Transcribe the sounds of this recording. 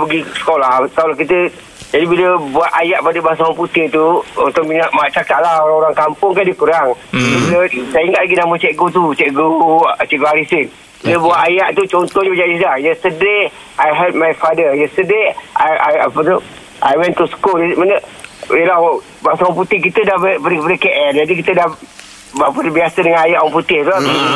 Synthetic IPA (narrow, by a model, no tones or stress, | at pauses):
bəɡisə̥kolahkalakit̪ə | d͡ʒadibiləbuaʔ̪ajaʔpadəbaŋsawaput̪ɪht̪uɔnt̪ʊʔmiɲaʔmaʔt͡ʃakaʔlahoɾaŋoɾaŋkampʊŋkandikuɾaŋd͡ʒadibiləsajəiŋɡaʔlaɡinamət͡ʃɛk̚ɡot̪ut͡ʃɛkɡot͡ʃɛʔɡoaɾisɪn | inəbawaʔajaʔt̪ut͡ʃɔnt̪ɔhɲbəd͡ʒadislahjəst̪əde | ajɦɛlt̚majfadəjəst̪ədeajaja̰pət̪u | ʔajwɛnt̪uskulismanəila | basawamp̬ut̪ɪhkit̪ədahbpadikəpadəkeʔɛnd͡ʒadikit̪ədah | bapədəbiasədəŋanajaʔwaŋput̪ɪht̪ua